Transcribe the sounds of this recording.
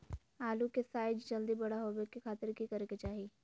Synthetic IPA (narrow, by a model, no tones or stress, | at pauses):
aːlukesaːɪd͡ʒd͡ʒɐld̪ibɐɽaɦoːbekekʰaːt̪əɾkikɐɾket͡ʃaːɦiː